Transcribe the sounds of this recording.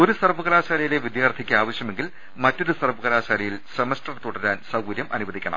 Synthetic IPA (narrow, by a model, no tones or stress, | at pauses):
o̞ɾusɐrʋɐɣɐlaːɕaːlɐjile̞ʋid̪jaːrt̪ʰikʲːɨaːʋɐɕjɐme̞ŋɡil | mɐtːo̞ɾusɐrʋɐɣɐlaːɕaːlɐjilsɐmɐsʈɐrt̪ːuɽɐɾaːnsɐwɡuɾjɐmʔɐnuʋɐðikʲːɐɳɐ̰m